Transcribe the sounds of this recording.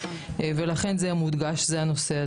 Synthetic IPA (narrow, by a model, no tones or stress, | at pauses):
velaχe̞nzemud̪ɡaʃzeano̞se̞a